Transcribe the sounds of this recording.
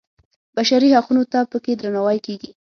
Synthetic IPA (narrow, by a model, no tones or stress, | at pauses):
baʃaɾihaqunot̪apəked̪ɾanawajkeɡi